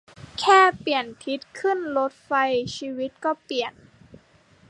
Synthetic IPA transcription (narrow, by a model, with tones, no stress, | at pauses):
kʰɛː˥˩pi˨˩ənt̪ʰi˦˥t̪̚kʰɯ˥˩nlo˦˥t̪̚fa˧jt͡ɕʰiː˧wi˦˥t̪̚kɔː˥˩pli˨˩ən